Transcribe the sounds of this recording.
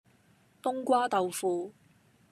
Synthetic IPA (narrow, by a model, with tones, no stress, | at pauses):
t̪ʊ˥ŋkʷwaː˥t̪ɐ˨wfuː˨˧